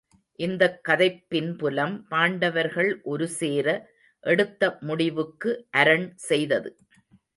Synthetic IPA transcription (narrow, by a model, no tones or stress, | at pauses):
ʔɪnd̪ɐkːɐðɐɪpːɪnpʊlɐmpaːɳɖɐʋɐɾɣɐɭʔɔɾɯseːɾɐ | ʔɛɽɯt̪ːɐmʊɽɪʋɯkːɯʔɐɾɐɳsɛjðɐðɯ